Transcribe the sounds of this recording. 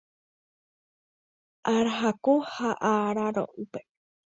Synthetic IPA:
ʔaɾaɦakohaʔaɾaɾo̰ʔupe

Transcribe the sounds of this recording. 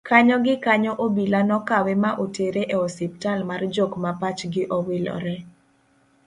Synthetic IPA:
kaɲɔɡɪkaɲɔʔobilanɔkawɛmaʔoteɾeʔeɔsɪp̚talmard͡ʒokmapat͡ʃɡɪʔɔwɪlɔ̰ɾɛ

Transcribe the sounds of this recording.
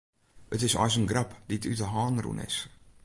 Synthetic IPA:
ətɪsɑ̰js̬ənɡrapditytəɦɑːnrṵnʔɪ̰s

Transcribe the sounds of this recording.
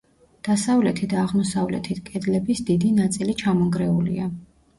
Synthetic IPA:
d̪̥asavlɛt̪ʰid̪aːʁmɔsavlɛ̰t̪ʰit̪ʰkʼɛd̪lɛbisd̪id̪inat̪sʼilit͡ʃʰamɔŋɡɾɛulḭa

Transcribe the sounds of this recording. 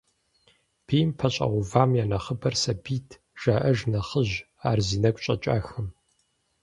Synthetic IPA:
pʰeːjmpʰɐɕʼɐ̰ʁʷʊvaːmjaːnɐχəbɐrsɐbiːtʰ | ʒ̥aːʔɐʒnɐχəʑ | aːrziːnɐkʷʼɕʼɐ̰t͡ʃʼa̰ːxɨm

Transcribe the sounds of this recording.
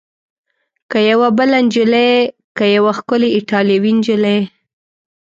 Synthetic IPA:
kajawabəland͡ʒɪlekajawaxkʊleɪʈɑljawind͡ʒɪle

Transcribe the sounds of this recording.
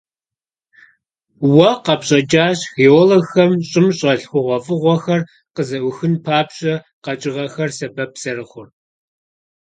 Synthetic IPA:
wɐqɐpɕʼɐd͡ʒʼaːɕxeːɔlɐxɐmɕʼɪmɕʼɐɬxʷʊʁʷɔfʼɨʁʷɔxɐr | qəzɐʔʷʊxɨnpʰaːpɕʼɐ | qɐt͡ʃʼɪʁɐxɐrsɐbɐpsɐrɨχʷʊr

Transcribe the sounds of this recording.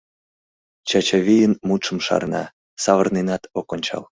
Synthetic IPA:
t͡ɕɑt͡ɕɑβʲijənmut̪ʃəmʃɑ̰rnɑ̰ | sɑβərnenɑt̪okonʲt͡ɕɑ̰l

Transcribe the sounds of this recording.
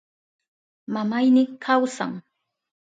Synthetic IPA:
mamajnɪkʰawsa̰ŋ

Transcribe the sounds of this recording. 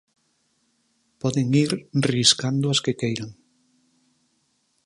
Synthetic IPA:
pɔðeŋiɾriskand̪ʊaskekejɾaŋ

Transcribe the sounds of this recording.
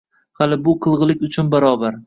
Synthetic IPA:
halɪbʊqʰɨlˠʁɨlˠɪkʲʊt͡ʃʰʊnbaɾɒbaɾ

